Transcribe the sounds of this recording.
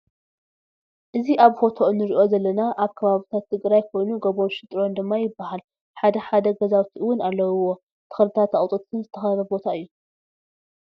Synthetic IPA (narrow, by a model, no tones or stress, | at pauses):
ʔɨziʔaβfo̞t̪ʰo̞ʔnɨɾiʔo̞zɐlːɐnaʔaβkʰɐβaβit̪ʰat̪ʰːɨɡɾajkʰo̞jnuɡɐβo̞nʃɨt̪ʼɾo̞nd̪ɨmːajɪbːahal | ħad̪ɐħad̪ɐɡɐzawt̪ʰiɨwʊnalːɐwuwo̞ | t̪ʰɨ̥xɨlt̪ʰat̪aχʼt̪ʼɨt̪ːʰɨnzɨt̪ʰɐxɐɾɐbo̞t̪ʰaɨjːu